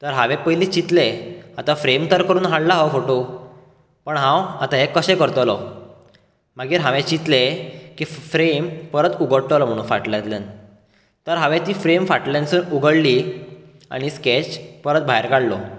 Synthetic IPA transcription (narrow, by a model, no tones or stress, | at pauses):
t̪əɾɦaʋepəjliːt͡ɕit̪leat̪afɾemt̪əɾkəɾuːnɦaɽlaɦɔfoʈo | pəɳɦãwat̪ãɦekəɕɛ̃kəɾt̪lɔ | maɡiːɾɦaʋẽt͡ɕit̪lekiːfɾempəɾət̪uɡəɽt̪lɔm̤əɽ̃ũːnfaʈljat̪len | t̪əɾɦaʋẽt̪iːfɾemfaʈlensuːnuɡəɽli | a̰ɽ̃isket͡ɕpəɾət̪̚bʱajɾkaɽlɔ